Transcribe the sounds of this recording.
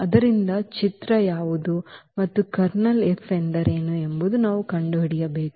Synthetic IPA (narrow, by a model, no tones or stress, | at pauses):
ɐd̪ɐɾind̪ɐt͡ʃit̪ɾɐjaːʋud̪umɐt̪ːukɐɾnɐlefeɳɖ̪ɐɾe̞ːnuembud̪unaːʋukɐɳɖuɦɐɽijɐbe̞ːku̥